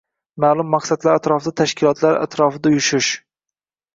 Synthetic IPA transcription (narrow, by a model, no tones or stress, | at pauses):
maːlˠʊmːaqsad̪laɾat̪ɾɒfɪd̪at̪ʰaʃkʲʰɪlˠɒt̪ʰlaɾa̰t̪ʰɾɒfɪd̪ajʊʃɪʃ